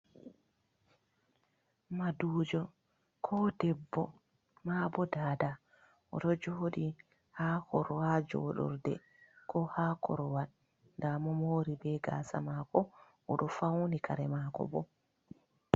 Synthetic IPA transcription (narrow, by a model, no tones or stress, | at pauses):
maduːd͡ʒɔ | kʰɔdɛbːɔ | mabɔdaːda | ʔɔɗɔd͡ʒɔɗi | haːkɔɾɔhad͡ʒɔ̰ɗɔ̰ɾdɛ | kʰɔhaːkʰɔ̰ɾɔwan | ndamɔmoːɾibɛɡa̰ːsa̰makɔ | ʔɔɗɔfawnikʰaɾɛmakɔ̰bɔ